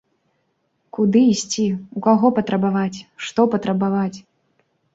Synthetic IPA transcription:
kud̪ɨisʲt͡sʲiukaɣɔpɐt̪ɾɐbavat͡sʲʂt̪ɔpɐt̪ɾɐbavat͡sʲ

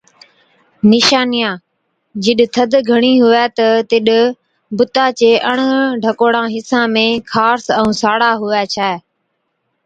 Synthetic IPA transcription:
nɪʃaːnɪjãː | d͡ʒɪɗt̪ʰəd̪ɡʱəɽ̃iːɦʊʋɛːt̪ət̪ɪɗ | bʊt̪aːt͡ʃeːʔəɳ̃ɖʱəkoːɽãːɦɪsãːmẽːkʰaːɾsɛ̃ũːsaːɽaːɦʊʋɛːt͡ʃʰaːeː

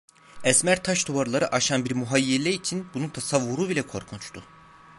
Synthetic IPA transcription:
ɛsmæɾt̪ʰaʃd̪ovaɾlˠaɾɯʔaʃanbiɾmuɦajːelʲɛit͡ʃʰinbununt̪ʰasavːuɾubilʲɛkʰo̞̰ɾkʰunt͡ʃt̪ʰʊ

